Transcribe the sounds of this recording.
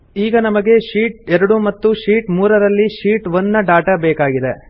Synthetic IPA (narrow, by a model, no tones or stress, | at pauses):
iːɡɐnɐmɐɡe̞ʃiːʈ̚ɛɾɐɽumɐt̪ːuʃiːʈmuːɾɐɾɐlːiʃiːʈʋonːɐɖaːʈɐbɛːkaːɡid̪e̞